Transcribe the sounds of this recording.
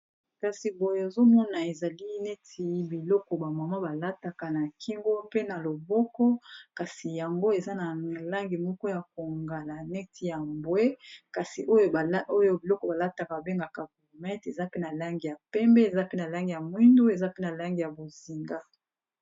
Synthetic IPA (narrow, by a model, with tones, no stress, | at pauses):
ka˨si˨bo˨jo˨e˨zo˦mɔ˦na˨e˨za˨li˦nɛ˦tʰi˨˦bi˨lɔ˦kɔ˨ba˨ma˨ma˦ba˨la˦ta˨ka˨na˨kʰi˦ŋɡo˦pe˦na˨lo˨bɔ˦kɔ˦ka˨si˨ja˨ŋɡo˦e˨za˦na˨la˦ŋɡi˨mɔ˦kɔ˦ja˨ko˨ŋɡa˨la˨nɛ˦tʰi˨ja˨mbwe˦ka˨si˨ʔo˦jo˦˨˦o˦jo˨˦bi˨lɔ˦kɔ˨ba˨la˦ta˨ka˨a˨be˦ŋɡa˨ka˨vu˨lo˨mɛ˦te˨za˦pe˦na˨la˦ŋɡi˨ja˨pɛ˦mbɛ˦e˨za˦pe˦na˨la˦ŋɡi˨ja˨mwi˦ndo˦e˨za˦pe˦na˨la˦ŋɡi˨ja˨bo˨zi˨ŋɡa˦